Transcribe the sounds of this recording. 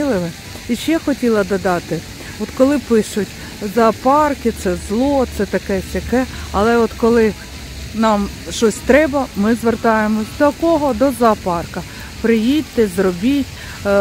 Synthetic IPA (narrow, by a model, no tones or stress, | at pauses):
ilˠɪʋɪ | iʃɛxɔtʲilˠɐd̪ɐd̪ɑt̪ɪ | ɔt̪kɔlˠɪpɪʃʊtʲ | zɐːpɑrkɪt̪sɛzlˠɔt̪sɛt̪ɐkɛsʲɐkɛɐlˠɛɔt̪kɔlˠɪ | nɑm | ʃt͡ʃɔsʲt̪ɾɛbɐmɪzʋert̪ɑjemɔsʲd̪ɔkɔɦɔd̪ɔzɐpɑrkɐ | pɾɪjit̪ːɪzɾɔbʲitʲ